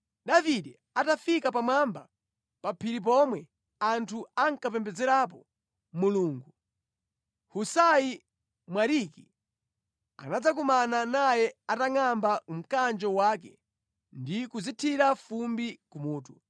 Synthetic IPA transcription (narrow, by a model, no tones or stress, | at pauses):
ɗaviɗɛ | atafikapamwamba | papʰiɾip̬ɔmwɛ | antʰuaŋkap̬ɛmbɛd͡zɛɾap̬ɔ | muluːŋɡu | husaji | mwaɾiki | a̰nad͡zak̬umananajɛataŋambaum̩kand͡ʒɔwakɛ | ndikuzitʰiɾafumbikumuːtu